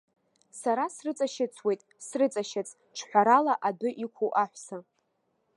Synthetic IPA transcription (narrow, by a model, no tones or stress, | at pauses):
saɾasrɨt͡sʼaʃɪt͡sʰwe̞jtʼsrɨt͡sʼaʃɪt͡sʰʼ | ʈ͡ʂʰħʷaɾalaʔadɨʔikʷʰuʔaħʷsa